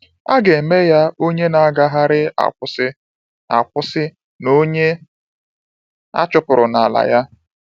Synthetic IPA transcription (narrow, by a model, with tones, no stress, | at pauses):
a˦ɡe˨me˦ja˦o˦ɲe˦na˨a˦ɡa˦ɦa˦ɾɪ˦a̰˨kʷʊ˦sɪ˦ | a̰˨kʷʊ˦sɪ˦ | no˦ɲe˦ | a̰˦t͡ʃʊ˦pʊ˨ɾʊ˨na˨a˨la̰˨ja˦